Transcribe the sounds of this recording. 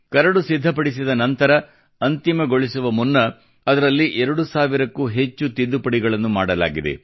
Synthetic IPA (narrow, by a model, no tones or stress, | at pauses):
kɐɾɐɽusid̪ʱːɐpɐɽisid̪ɐnɐnt̪ɐɾɐ | ɐnt̪imɐɡo̞ɭisuʋɐmunːɐ | ɐd̪ɐɾɐlːiʔɛɾɐɽusaːʋiɾɐkːuːɦe̞t͡ʃːut̪id̪ːupɐɽiɡɐɭɐnːumaːɽɐla̰ːɡid̪ḛ